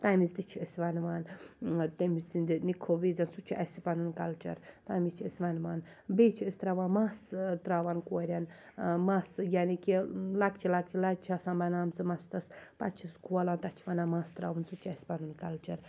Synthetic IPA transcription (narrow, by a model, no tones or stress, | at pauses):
t̪amizt̪it͡ʃʰiɨsʋɐnʋaːnt̪emisind̪inikʰoʋizɐnsut͡ʃʰiʔɐsipɐnunkɐlt͡ʃɐ̰ɾt̪amit͡ʃʰiɨsʋɐnʋaːn | beːt͡ʃʰiɨst̪ɾaʋaːnmast̪ɾaːʋankoːɾʲɐnmasjanikilakt͡ʃʰilak̚t͡ʃʰilat͡ʃʰasãnbɐnaːmzɨmɐst̪ɐspat͡ʃʰiskʰuɐlaːnt̪ɐt͡ʃʰiʋanaːmaːst̪ɾa̰ːʋunsut͡ʃʰiɛspɐnunkɐlt͡ʃɐɾ